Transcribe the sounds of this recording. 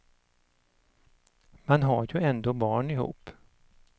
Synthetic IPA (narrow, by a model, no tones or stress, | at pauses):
manɦaɾjɵɛnd̪oːbɑːɳɪhṵːp